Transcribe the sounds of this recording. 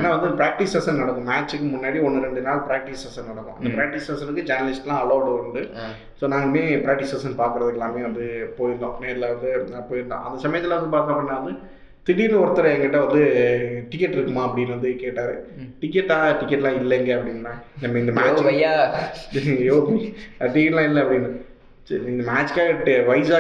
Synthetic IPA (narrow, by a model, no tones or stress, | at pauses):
ɛnːaːʋɐnd̪ɯpɾaːk̚ʈisɐsɐnnɐɽɐkːʊ̃maːt͡ʃːɯkːɯmʊnːaːɽiɔnːɯɾɛɳɖɯnaːlpɾaːk̚ʈisɐsɐnɐɽɐkːʊ̰̃ʔɐ̰nd̪ɐpɾaːk̚ʈisɐsɐnɯk̬ːɯd͡ʒɐnɐlɪsʈlãːɐloːʋʈɯɐɾɯndɯ | soːnaːŋɡɐmeːpɾaːk̚ʈisɐsɐnpaːɾkɯɾɐðɯkːɛlːãːmeːʋɐnd̪ɯpoːjɾnd̪õ̰ːɐneːɐt̪ːɪlɐʋɐnd̪ɯɐpːoːɪnd̪ã̰ʔɐ̰nd̪ɐsɐmɐjɐt̪ːɪlɐʋɐnd̪ɯpaːɾk̪ɐ̃pɐɳːaːʋɐnd̪ɯ | t̪ɪɽinɔɾɐt̪ːɐɾɐɛŋɡɐɪʈːɐʋɐnd̪ɯʈɪkːɛʈːɪɾɯkːɯmaːɐpːɐɽɪnːʋɐnd̪ɯkeːʈːaːɾɯʈɪkːɛʈːaːʈɪkːɛʈːlãːɪlːɛŋɡɐɐpːɐɽɪnːnãːnɐmːɐɪnd̪ɐmːt͡ʃɐja | joːʈɪkːɛʈlãːɪnɪlɐɐpːɐɽinːa | ɪnd̪ɐmaːt͡ʃkaːʈːʋɐɪsaː